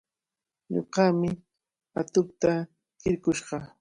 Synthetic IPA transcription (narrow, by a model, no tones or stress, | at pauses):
ɲo̰ɢɑmɪ | at̪ʊp̚t̪a | kɪɾkʊʃɢɑ